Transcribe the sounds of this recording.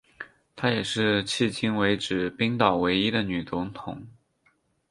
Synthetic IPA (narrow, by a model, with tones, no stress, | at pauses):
t̪ʰa˥jɛ˨˩ʂɻ̩˥˧t͡ɕʰi˥˩t͡ɕi˥nwe˧˥ɪʈ͡ʂɻ̩˨˩pi˥ŋt̪ɑ˨˩ʊwe˧˥ɪi˥d̪ə˨ny˨˩t͡sʊ˧˥ŋt̪ʰʊ˨˧˩ŋ